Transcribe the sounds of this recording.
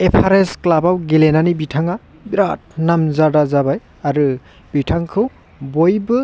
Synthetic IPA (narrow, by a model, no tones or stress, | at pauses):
epʰaɾesklabawɡelenanibitʰaŋa | biɾat̚namzadazabaj | aɾɯ | b̥itʰaŋkʰɯw | bojbɯ